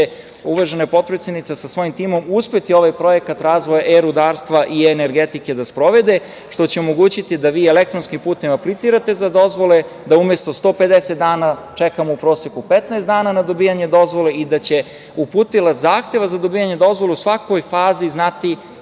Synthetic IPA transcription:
e | uʋaʒenapo̞t̪̚pɾet̪sjed̪nit̪sasasʋo̞jimt̪iːmo̞muspet̪io̞ʋajpɾo̞je̞kat̪ɾaːzʋo̞jaʔeɾud̪aːɾst̪ʋaʔieneɾɡet̪ike̞d̪aspɾo̞ʋe̞d̪e̞ | ʃt̪o̞t͡ɕeo̞mo̞ɡuːt͡ɕit̪id̪aʋiːelek̚t̪ɾo̞nskimpuːt̪e̞maplit̪siːɾat̪e̞zad̪o̞zʋo̞le̞ | d̪aumje̞st̪o̞st̪o̞ːpe̞d̪eset̪d̪aːnat͡ʃekamoupɾo̞ːsjekupet̪naest̪d̪aːnanad̪o̞biːjaɲe̞d̪o̞zʋo̞le̞id̪at͡ɕe̞ | upuːt̪ilˠazaːxt̪e̞ʋazad̪o̞bijaɲe̞d̪o̞zʋo̞lˠeusʋako̞jfaːziznat̪i

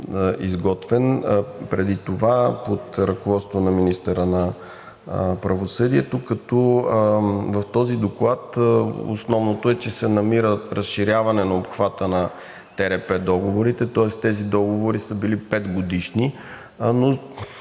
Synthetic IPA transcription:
izɡɔt̪vɛnpɾɛd̪it̪ovapot̪ɾɐkovɔt̪st̪vonɐminist̪əɾənɐ | pɾɐvosɤd̪iɛt̪okɐt̪ɔ | vɐft̪ɔzid̪oklˠat̪o̰snɔvnot̪oɛt͡ʃɛsɛnɐmiɾəɾəsʃiɾjavɐnɛnɐopxvat̪ənɐ | t̪ɛɾɛpɛd̪ɔɡovoɾit̪ɛt̪ɔɛst̪ɛzid̪ɔɡovoɾisəbilipɛd̪ɡod̪iʃni | no

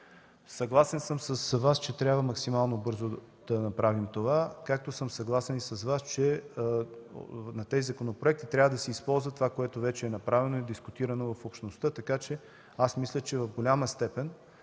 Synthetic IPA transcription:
sɐɡlˠasɛnsəmsɐsvast͡ʃɛt̪ɾʲabvəmɐksimalˠnobɤɾzo | d̪̥ɐnɐpɾavimt̪ovakak̚t̪osəmsɐɡlˠasɛnisɐsvast͡ʃɛ | nɐt̪ɛzizɐkonopɾoɛk̚t̪it̪ɾʲabvəd̪ɐsɛispɔlˠzvət̪ovakoɛt̪ovɛt͡ʃɛɛnɐpɾavɛnoɛd̪iskʊt̪iɾɐnovɐfopʃt̪nost̪ɤt̪ɐkat͡ʃɛ | asmislʲət͡ʃɛvɐvɡolʲaməst̪ɛpɛn

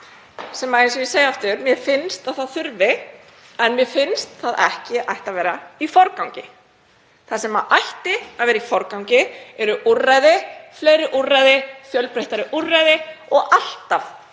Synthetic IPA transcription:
sɛmaensɛvɪseːjaaft̪ʏɾmjɛfɪnst̪aðθaðθʏɾvɪ | ɛnmjɛfɪnst̪θaðɛhcɪʔa̰jht̪avɛːɾaifɔɾkawɲcɪ | θasɛmaʔajht̪ɪavɛːɾaifɔɾkawɲcɪɛɾʏʔurajðɪfleːjɾɪʔurajðɪfjœlpɾejht̪aɾɪʔurajðɪɔɣal̥t̪af

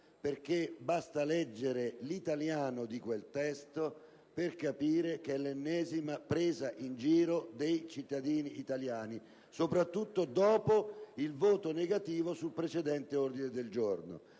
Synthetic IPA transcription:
perk̟ebast̪alɛd͡ʒːeɾelit̪aljaːnod̪ikwelt̪ɛst̪o | perkapiːɾek̟elenːɛːzimapɾeːzaʔind͡ʒiːɾod̪ejt͡ʃit̪ːad̪iːniːt̪aljaːni | sopɾat̪ːut̪ːod̪ɔːpoilvoːt̪oneɡat̪iːvosulpɾet͡ʃed̪ɛnt̪eord̪ined̪eld͡ʒorno̰

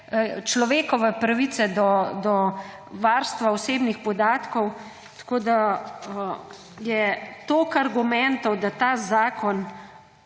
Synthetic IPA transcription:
t͡ʃlɔʋeːkɔʋɛpɾaʋit̪sɛd̪ɔd̪ɔ | ʋaːɾst̪ʋaɔseːbnixpɔd̪aːt̪kɔw | t̪ḁkoːd̪a | jɛt̪oːkaɾɡumɛnt̪ɔwd̪at̪aːzaːkʰɔn

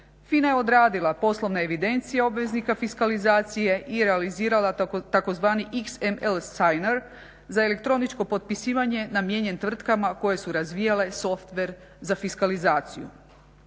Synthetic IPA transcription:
finaje̞o̞d̪ɾaːd̪ilˠapo̞slˠo̞ʋnaeʋid̪e̞nt̪sijao̞bʋe̞znikafiskalizaːt̪sije̞ʔiɾealiziːɾalat̪ako̞zʋaːniʔiksemelsajneɾ | zaele̞k̚t̪ɾo̞nit͡ʃko̞po̞t̪̚pisiːʋaɲe̞namjeɲe̞nt̪ʋr̩t̪kamako̞je̞suɾazʋiːjale̞so̞ft̪ʋe̞ɾ | zafiskalizaːt̪sijṵ

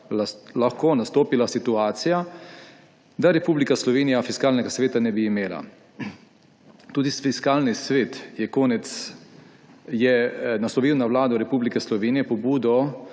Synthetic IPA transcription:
lalaxkoːnast̪oːpilasit̪uaːt̪sija | d̪aɾɛpuːblikaslɔʋeːnijafiskaːlnɛɡasʋeːt̪anɛbiːmeːla̰ | t̪uːd̪isfiskaːlnisʋeːt̪jɛkoːnɛt̪s | jɛnaslɔʋiːwnawlaːd̪ɔɾɛpuːblikɛslɔʋeːnijɛpɔbuːd̪ɔ

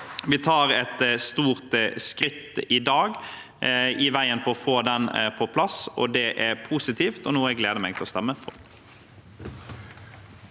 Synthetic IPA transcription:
ʋɪt̪ʰɑːɾɛt̪st̪uːʁt̪skɾɪt̪ːɪd̪ɑːɡ | ɪʋæɪənpʰɔɔfoːd̪ɛnpʰɔpʰlɑsɔ̰d̪ɛʔæɾpʰuːsɪt̪ʰiːft̪ɔnuːɛɡleːd̪əmɛɡt̪ʰɛlɔst̪ɛmːəfɔl

